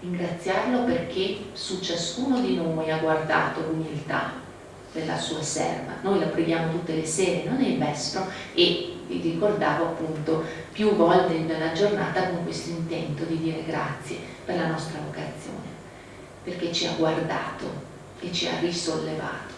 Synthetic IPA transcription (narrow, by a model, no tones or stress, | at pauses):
ɾiŋɡɾat̪sːjarloperk̟ʰesut͡ʃaskuːnod̪inojaɡward̪a̰ːt̪olumilt̪a̰ | d̪elːa̰suːasɛ̰rva̰nojlapɾeɡjaːmot̪ut̪ːeleseːɾenonːelmɛsp̪ɾoevḭrikord̪aːvoapːunt̪o | pjuvɔld̪ed̪elːad͡ʒornaːt̪akoŋkwest̪oint̪ɛnt̪od̪id̪iːɾeɡɾa̰t̪sːje | perlanɔst̪ɾavokat̪sːjo̰ːne | perk̟et͡ʃia̰ɡward̪a̰ːt̪o̰ | et͡ʃːia̰risolːeva̰ːt̪o̥